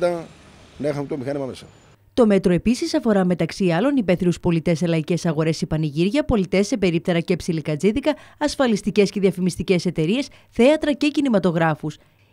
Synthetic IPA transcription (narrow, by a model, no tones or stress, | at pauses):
d̪ɐ | nexɐmt̪omixɐnimɐmesɐ̰ | t̪o̞me̞t̪ɾo̞e̞pisisɐfo̞ɾɐme̞t̪ɐksiɐlo̞nipe̞θiɾuspo̞lit̪e̞se̞lɐice̞sɐɣo̞ɾe̞sipɐniʝiɾʝɐpo̞lit̪e̞sːe̞pe̞ɾip̚t̪e̞ɾɐce̞psilikɐd͡ziðikɐːsfɐlist̪ice̞sce̞ðiɐfimist̪ice̞se̞t̪e̞ɾie̞s | θe̞ɐt̪ɾɐce̞cinimɐt̪o̞ɣɾɐfus